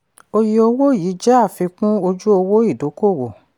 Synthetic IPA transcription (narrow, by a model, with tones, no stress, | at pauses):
o˧ji˧o˧wo˦jiː˨˦d͡ʒɛ˦a˦˨fi˧kũ˦o˧d͡ʒu˦o˧wo˦i˦˨do˨˦ko˦˨wo˨